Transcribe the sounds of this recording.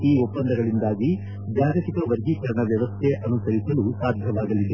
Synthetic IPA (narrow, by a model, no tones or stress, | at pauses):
iːopːɐnd̪ɐɡɐɭind̪aːɡi | d͡ʒjaːɡɐt̪ikɐʋɐɾɡikɐɾɐɳɐʋjɐʋɐst̪ʰeʔɐnusɐɾisɐlusaːd̪ʱjɐʋaːɡɐlid̪e